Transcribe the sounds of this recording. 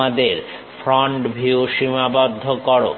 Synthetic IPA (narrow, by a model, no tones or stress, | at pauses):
ad̪eɾ | fʰɾɔɳʈbʱiuʃimabɔd̪ʱːokɔɾo̰